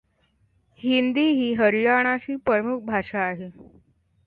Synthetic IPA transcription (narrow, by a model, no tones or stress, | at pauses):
hind̪iːɦiːɦəɾijaɽ̃aɕiːpɾəmuk̚ʰbʱaʂaːɦe